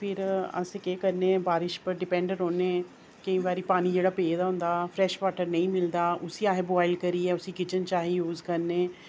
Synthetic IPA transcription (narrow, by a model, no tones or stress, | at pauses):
pʰɪɾə̰sekeːkəɾnẽːbaːɾɪʃpəɾɖɪpɛ̃ːɳɖəɾɦõːneː | kə̃ĩːʋaːɾiːpaːniːd͡ʒeːɽaːpeːd̪aːɦʊ̃nd̪aːpʰɾɛːʃʋaːʈəɾnə̃ĩːmɪld̪aːʔʊsiːaːɦeːboaːɪlkəɾiːɛːʊsĩːkɪt͡ʃənt͡ʃaːɦiːjuːzkəɾneː